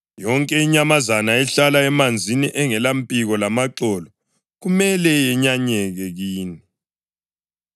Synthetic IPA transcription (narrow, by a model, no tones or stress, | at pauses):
jɔŋkʼɛiɲamazanaɛɬalaɛmand͡zʱiniʔɛŋɛlampʼiɣɔlamaǀɔlɔ | ɣumɛlɛjɛɲaɲɛɣɛɣiːni